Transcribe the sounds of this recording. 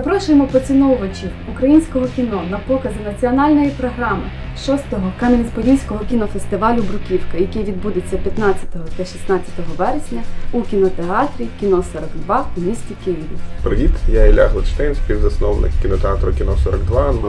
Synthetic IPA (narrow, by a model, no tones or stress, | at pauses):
zɐpɾɔʃʊjemɔpɔt͡sʲinɔʋɐt͡ʃʲi | ukɾɐjinʲsʲkɔɦɔkʲinɔnɐpɔkɐzɪnɐt͡sʲiɔnɑlʲnɔjipɾɔɦɾɑmɪ | ʃɔst̪ɔɦɔkɛnɐʋʲispɔdʲinʲsʲkɔɦɔkʲinɔfest̪ɪʋɑlʲʊbɾʊkʲiwkɐjɐkʲijʋʲid̪bud̪et͡sʲːɐpʲjɐt̪nɑt͡sʲːɐ̥t̪ɔɦɔt̪ɐʃʲisnɑt͡sʲɐ̥t̪ɔɦɔʋɛɾesʲnʲɐukʲinɔt̪eɑt̪ɾʲikʲinɔsɔɾɐɡd̪ʋɑumʲisʲtʲikɪjiʋʲḭpɾɪʋʲit̪jailʲa̰ɦlˠɐt͡ʃt̪ɛjnʲsʲpʲiwzɐsnɔwnɪ̰kkʲinɔt̪eɑt̪ɾʊkʲinɔsɔɾɐɡd̪ʋɑn